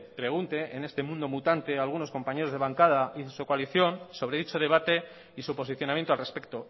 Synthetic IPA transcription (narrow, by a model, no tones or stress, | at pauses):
pɾe̞ɣ̞unt̪e̞ʔene̞st̪e̞mũnd̪o̞mut̪ant̪e̞alɣuno̞sko̞mpaɲeɾozðe̞β̞aŋkað̞aʔisukoaliθjo̞nso̞β̞ɾe̞ðit͡ʃo̞ð̞e̞β̞at̪e̞ | isupo̞s̬iθjo̞namjent̪oalrespe̞k̚t̪o̞